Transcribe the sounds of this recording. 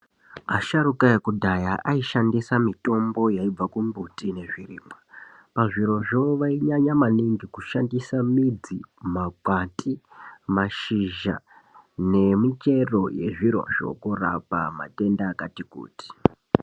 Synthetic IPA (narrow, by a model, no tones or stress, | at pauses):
aʃaɾukaekudʱajaʔaiʃandisamito̞mbo̞jaib͡vakumbutine̞ʐiriːma | paʐiɾo̞ʐoʋaiɲaɲamaniŋɡikuʃandisamid͡zimakwatʰimaʃiʒa̰ | ne̞mit͡ʃe̞ro̞je̞̰ʐiɾo̞̰ʐ̥o̞̰kora̰pama̰te̞ndaːkatikṵːti̥